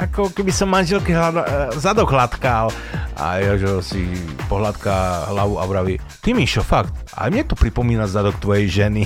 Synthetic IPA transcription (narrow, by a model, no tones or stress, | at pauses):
ʔakɔkɛbisɔmmːanʒɛlkɛɦad̪azad̪ɔɣɦlat̪kal | ʔa̰jʒɛsipɔɦlat̪kaɦlaʋua̰ʋɾaʋi | t̪imiʃɔfakt̪ʔa̰jmɲɛt̪ɔpɾipɔmiːnazad̪ɔkt̪ʋɔjɛjʒɛni